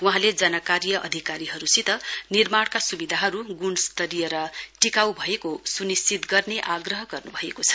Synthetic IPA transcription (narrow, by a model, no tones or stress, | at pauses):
wuɦãled͡zʌnʌkaɾijʌʔʌ̰d̪ʱikaɾiɦʌɾusit̪ʌnirmaɽ̃kasubid̪ʱaɦʌɾuɡunst̪ʌɾijeɾʌʈikawbʱʌekosunist͡sit̪ɡʌrneʔaɡrʌɦʌɡʌrnubʱʌekot͡sʰʌ̥